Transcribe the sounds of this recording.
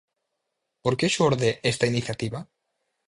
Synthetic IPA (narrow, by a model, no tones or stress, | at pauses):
poɾkeʃoɾðeʔest̪ainiθjat̪iβa